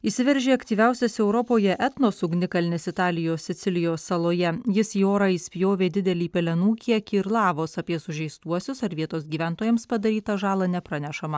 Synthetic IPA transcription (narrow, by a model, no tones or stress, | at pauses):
iːsʲɪʋʲɛɾʲʒʲeːɐkt̪ʲiːʋʲæˑʊsʲɛsɛʊɾɔpoːjɛʔɛt̪noːsʊɡnʲɪkɐlʲnʲɪsɪt̪ɑːlʲɪjoːssʲɪt̪sʲɪlʲɪjoːsːɐlˠoːjɛjɪsioːɾɑisʲpʲjoːʋʲeːd̪ʲɪd̪ʲɛlʲiːpʲɛlʲɛnuːkʲiɛkʲiːɪɾlˠɑːʋoːsɐpʲiɛsʊʒʲɛɪst̪uɔsʲʊsɐɾʋʲiɛt̪oːsɡʲiːʋʲænt̪oːjɛmspɐd̪ɐɾʲiːt̪ɐʒɑːlˠɐnʲɛpɾɐnʲɛʃɐmɐ